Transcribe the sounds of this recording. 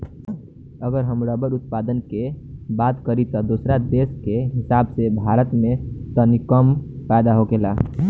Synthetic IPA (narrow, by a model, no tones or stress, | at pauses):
əɡəɾɦəmɾabəɾʊt̪̚pad̪ənkebat̪kəɾit̪ɔd̪osɾad̪eskeɦɪsabsebʱaɾət̪mẽt̪ɔnikəmpajd̪aɦoɡela